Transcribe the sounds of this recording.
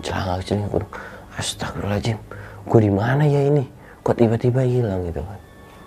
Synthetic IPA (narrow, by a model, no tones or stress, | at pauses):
t͡ʃla̰ŋakt͡ʃliŋakṵd | ast̪akulad͡ʒimkudimanajaini | kuat̪iβat̪ibailaŋɡit̪ukan